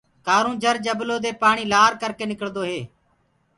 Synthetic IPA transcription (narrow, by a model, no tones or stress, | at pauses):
kaːɾũːd͡ʒʱəɾd͡ʒəbloːd̪eːpaːɳ̃iːlaːɾkəɾkeːnɪkəɽd̪oːɦeː